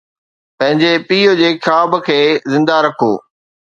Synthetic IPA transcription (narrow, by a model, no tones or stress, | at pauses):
pɐ̃ɦɪ̃ɲd͡ʑepiːod͡ʑeːkʰaːbkʰeːzɪ̃nd̪aɾɐkʰoː